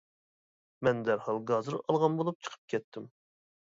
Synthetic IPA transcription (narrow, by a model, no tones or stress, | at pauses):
mɛnd̪æɾhɑlˠɡɑzɨɾɑlˠʁɑnbolˠup̚t͡ʃʰə̥qʰə̥p̚kʲʰɛt̪ʰːɪm